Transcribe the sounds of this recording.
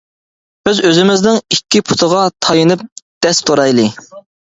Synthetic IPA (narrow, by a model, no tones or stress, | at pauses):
b̥ɪzøzɪmɪznɪŋikʲːipʰu̥t̪ʰəʁɑt̪ʰɑjinɨp̚d̪̥ɛst̪ʰoɾɑjlˠɨ